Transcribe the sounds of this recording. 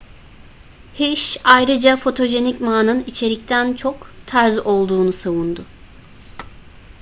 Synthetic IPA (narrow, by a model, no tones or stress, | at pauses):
hiʃajɾɯd͡ʒafo̞t̪ʰo̞ʒe̞nicmaːnɯnit͡ʃʰe̞ɾic̚t̪ʰænt͡ʃʰo̞kt̪ʰæɾzo̞lˠd̪uːnusavund̪ʊ